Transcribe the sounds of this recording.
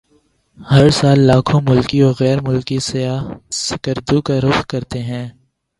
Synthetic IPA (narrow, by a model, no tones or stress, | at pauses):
hɐɾsaːlːaːkʰõmʊlkiɔːɾɣɛːɾmʊlkisɐjaːsɪkəɾd̪ukaɾʊxkɐɾt̪eɦɛ̃ː